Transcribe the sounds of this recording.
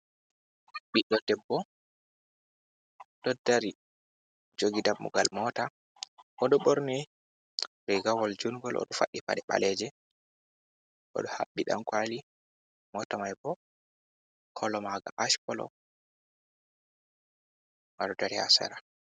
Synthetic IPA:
ɓiɗːɔdɛbːɔ | d̥ɔdaɾi | d͡ʒoɡidamːṵɡalmɔta | ʔɔɗɔɓɔɾni | bɛɡawɔld͡ʒunɡɔlʔɔ̰ɗɔfa̰ɗːipa̰ɗɛɓa̰lɛd͡ʒɛ | ʔɔ̰ɗɔha̰ɓːiɗa̰mkwali | mɔtamajbɔ | kʰɔlɔmaɡa̰ʔaʃkɔlɔ̰ | ŋaɗɔdaɾiha̰sa̰ɾa

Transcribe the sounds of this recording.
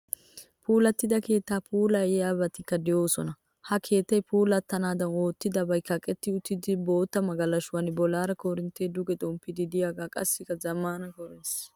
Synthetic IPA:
pʰuːlɐt̪ːɪd̪ɐke̞ːt̪ːaːpʰuːlɐɛjaːbɐt̪ːɪkːɐd̪ɛjo̞ːsɔnɐ | hɐkʰe̞ːt̪ːɐjpʰuːlɐt̪ːɐnaːd̪ɐno̞ːt̪ːɪd̪ɐbɐjkːɐkʼɛt̪ːɪʊt̪ːɪd̪ɪbo̞ːt̪ːɐmɐɡɐlːɐʃʊwaːnbɔlːaːɾɐkoːɾɪnt̪eːd̪ʊɡɛt̪ʼɔmpːɪd̪ɪd̪ɪjaːɡaːkʼɐ̰sːɪkːɐzɐmːanɐkɔɾɛns

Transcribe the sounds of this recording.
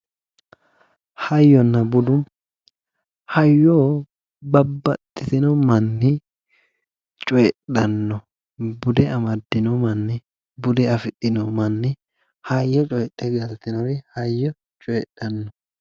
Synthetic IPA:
hɐjːɔnːɐbʊd̪ʊm | hɐjːoː | bɐbːɐt̪ʼːɪsɪnɔmɐnːɪ | t͡ʃʼɔjɛᶑɐnːɔ | bʊd̪ɛɐmɐd̪ːɪnɔmɐnːɪ | bʊd̪ɛɐfɪt̪ʼːɪnɔmɐnːɪ | hɐjːɔt͡ʃʼɔjtʼːɛɡɐlt̪ɪnɔɾɪhɐjːɔ | t͡ʃʼɔjɛɗɐnːɔ

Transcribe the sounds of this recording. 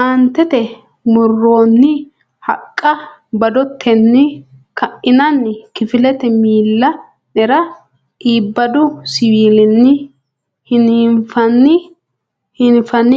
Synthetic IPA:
ʔant̪ɛt̪ɛ | mʊrːoːnːɪ | hɐ̰kʼːɐ | bɐd̪ɔt̪ʰːɛnːɪ | kɐʔɪnɐnːɪkɪfɪlɛt̪ɛmiːlːɐ | nɛɾɐ | iːbːɐd̪ʊsɪwiːlɪnːɪ | hɪniːnfɐnːɪ | hɪnfɐnːɪ

